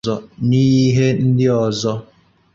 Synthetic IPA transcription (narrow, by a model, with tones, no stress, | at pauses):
ɔ˨ni˦ji˦ɦe˦n̩˦dɪ˦ɔ˨zɔ˦